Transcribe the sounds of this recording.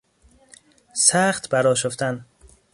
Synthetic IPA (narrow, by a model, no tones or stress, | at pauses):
sæχt̪bæɾɒːʃoft̪æn